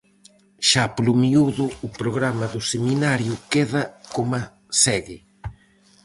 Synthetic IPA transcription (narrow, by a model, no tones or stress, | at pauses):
ʃaplumiuðʊːpɾoɣɾamɐðʊseminaɾjʊkeðɐkoma | sɛɣɪ